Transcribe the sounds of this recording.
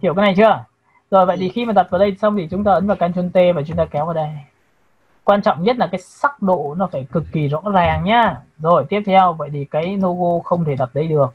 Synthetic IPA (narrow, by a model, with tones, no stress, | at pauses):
hi˧˩wkaː˨˦na˨˩jt͡ɕɨ˧ə | zo˨˩jvə̰˧˨jt̪ʰi˨˩xi˧maː˨˩t̪a˨˩t̚vaː˨˩ɗə˧jsa˧wŋ͡mt̪ʰi˨˩t͡ɕʊ˨˦ŋ͡mt̪aː˧əː˨˦nvaː˨˩wkaː˧nt͡ɕə˧nt̪e˧vaː˨˩t͡ɕʊ˨˦ŋ͡mt̪aː˧kɛ˨˦wvaː˨˩ɗa˧j | kwaː˧nt͡ɕɔ̰˧˨wŋ͡mɲə˦˥t̚laː˨˩kaː˨˦jsa˦˥k̚ɗo̰˧˨nɔ˨˦faː˧˩jkɨ˨˩kːi˨˩zɔ̰˧˥zaː˨˩ŋɲaː˨˦zo˨˩jt̪i˦˥əp̚t̪ʰɛ˧wvə̰˧˨jt̪ʰi˨˩kaː˨˦jno˧ɣo˧xə˧wŋ͡mt̪ʰe˧˩ɗ̪a˨˩p̚ɗə˧jɗɨ˨˩ək̚